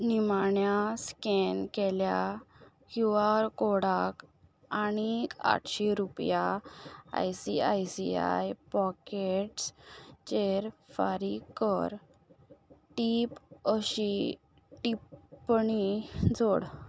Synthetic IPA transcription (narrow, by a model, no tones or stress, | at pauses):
nimaɳjaskɛnkɛlja | hjuaɾkoɽak | aɽ̃ika̰ʈɕeɾupja | a̰jsiajsia̰jpɔkeʈst͡ɕeɾfa̰ɾikəɾ | ʈipəɕi | ʈipɳid͡zoɽ